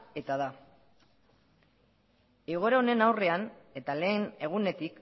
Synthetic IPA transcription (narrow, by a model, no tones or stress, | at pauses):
e̞t̪aða | eɣ̞o̞ɾaone̞nawre̞ane̞t̪ale̞ːne̞ɣ̞une̞t̪ik